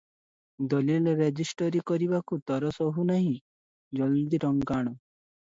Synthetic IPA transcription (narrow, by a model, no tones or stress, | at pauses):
d̪ɔlilɔɾed͡ʒisʈɔɾikɔɾibakut̪ɔɾɔsɔɦunaɦĩ | d͡ʒɔld̪iɾɔŋkaɽ̃ɔ